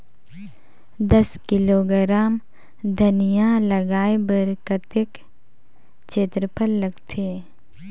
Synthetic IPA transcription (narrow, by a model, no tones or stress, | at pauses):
d̪ɐskɪloːɡɾaːm | d̪ʱənijãləɡaːebəɾkət̪ɪk | t͡ʃeːt̪ɾəpʰəlːəɡt̪ʰeː